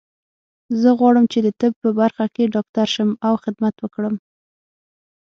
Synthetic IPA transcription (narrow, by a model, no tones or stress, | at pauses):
zəɣwɑɽəmt͡ʃed̪ət̪ɪb̚pəbaɾxakeɖɑk̚t̪aɾʃəmawxɪd̪mat̪wəkɽəm